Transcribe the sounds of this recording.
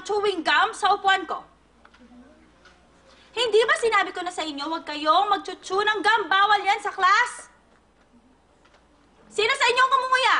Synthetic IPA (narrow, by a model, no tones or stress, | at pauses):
t͡ʃuːwɪŋɡamsɐʔʊpuɐnko̞ | hɪnd̪ibɐsɪnaːbɪkonɐsɐʔɪɲːo̞wɐɡ̚kɐjo̞ŋmɐɡ̚t͡ʃʊt͡ʃunɐŋɡambaːwɐljansɐklas | iːnosɐɪɲːo̞ŋkʊmʊmʊja